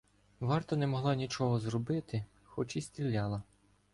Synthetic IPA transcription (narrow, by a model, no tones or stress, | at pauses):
ʋɑrt̪ɐnɛmɔɦlˠɑnʲit͡ʃɔɦɔzrɔbɪt̪ɪ | xɔt͡ʃisʲtʲɾʲilʲːɑlˠɐ